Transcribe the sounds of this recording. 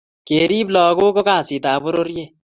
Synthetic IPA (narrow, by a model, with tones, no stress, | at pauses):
keːɾiː˦blɔː˨ɡoː˦ko˦kaː˦˨si˨t̪aː˨bʊ˦ɾo˦ɾje˦˨